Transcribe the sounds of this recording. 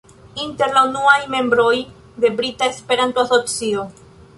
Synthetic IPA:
int̪eɾlaunuajmembɾoj | ðe̞bɾit̪aespeɾant̪oasopsio

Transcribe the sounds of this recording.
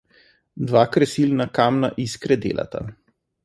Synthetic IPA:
d̪ʋaːkɾɛsilnakaːmnaʔiskɾɛd̪ḛːlʔa̰t̪a̰

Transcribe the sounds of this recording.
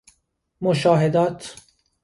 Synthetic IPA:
moʃɒːɦed̪ɒːt̪ʰ

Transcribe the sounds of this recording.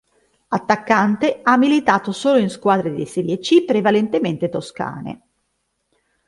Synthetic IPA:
at̪ːakːant̪eamːilit̪aːt̪osoːloinskwaːd̪ɾed̪ḭseɾjet͡ʃipɾevalent̪ement̪et̪oska̰ːnḛ

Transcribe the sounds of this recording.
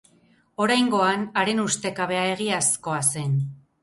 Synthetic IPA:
o̞ɾajŋɡo̞anaɾe̞nust̪e̞kaβe̞aeɣ̞iasko̞ase̞n

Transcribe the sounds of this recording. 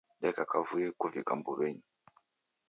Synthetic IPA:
ɗɛkakavujikuvikambuβeɲu

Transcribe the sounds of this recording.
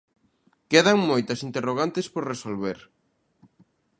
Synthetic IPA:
keðaŋmojt̪ɐsint̪eroɣ̞ant̪espoɾresolβeɾ

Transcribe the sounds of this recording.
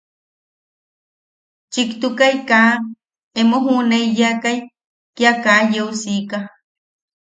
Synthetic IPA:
t͡ʃikt̪ukajka | emoɦuneijakaj | kjakajeusika

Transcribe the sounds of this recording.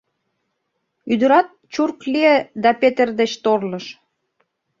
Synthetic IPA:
yd̪ə̆ɾɑt̪̚t͡ɕurklied̪ɑpet̪erd̪et͡ɕt̪orləʃ

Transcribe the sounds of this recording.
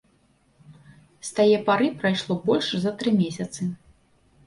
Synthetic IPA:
st̪ajɛpaɾɨpɾajʂlˠɔbɔlʲʂzɐt̪ɾɨmʲeɛsʲɐt̪sɨ

